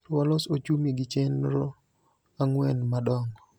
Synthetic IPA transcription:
ɾwɔlɔsot͡ʃumiɡɪt͡ʃenɾo | aŋwɛnmadɔŋɔ

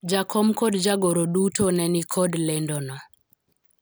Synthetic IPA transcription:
d͡ʒakʰɔmkɔdd͡ʒaɡoɾodutonɛnikʰɔdlendɔnɔ

